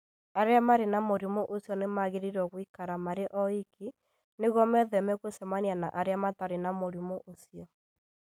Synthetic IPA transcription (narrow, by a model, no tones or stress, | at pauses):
aɾeamaɾenamoɾimoʔosjɔnemaɣeɾiɾɔɣwikaɾamaɾeʔɔikʰi | neɣɔmɛðɛmɛkwesɛmaniana̰ʔaɾeamataɾenamoɾimoʔosiɔ